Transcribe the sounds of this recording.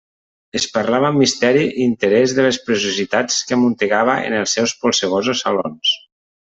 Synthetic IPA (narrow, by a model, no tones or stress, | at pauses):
əspəɾlaβəmːist̪ɛɾiint̪əɾɛzðəlespɾesuzit̪at͡skəmunt̪eɣaβ̞əʔḛnəlˠsːɛwspolˠseɣ̞ozosalo̰ns